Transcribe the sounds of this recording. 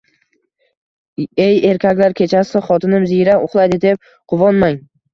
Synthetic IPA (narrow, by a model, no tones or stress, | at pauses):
eje̞ɾkʲʰakʲlaɾkʲʰe̞t͡ʃʰasɪχɒt̪ʰɪnɪmzijɾaʊχlˠajd̪ɪd̪e̞p̚ | qʰʊvɒnmaŋ